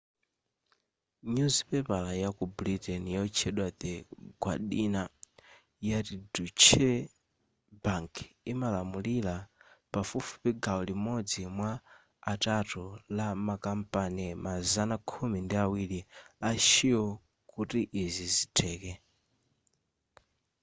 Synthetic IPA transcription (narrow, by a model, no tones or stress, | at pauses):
ɲuzipɛpalajakublitɛnijaɔt͡ʃʰɛɗwat̪ɛɡwa̰ɗina | jatidut͡ʃʰɛ | baŋkʰimalamulilapafufu̥piɡaɔlimɔd͡zimwaː | tatulamakampanimazanakʰumindiawiliaʃiɔ | kutiʔːzizitʰɛːkɛ